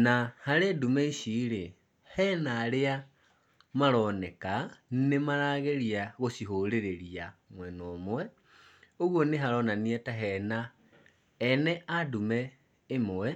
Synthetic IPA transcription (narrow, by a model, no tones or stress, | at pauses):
nahaɾedumɛiʃiɾe | hɛnaːɾea | maɾɔnekannemaɾaɣeɾiaɣosiɦoɾeɾeɾiamwɛnomwɛ | oɣwoneɦaɾɔnaniɛtaɦɛnaː | nɛadumɛː | mwɛ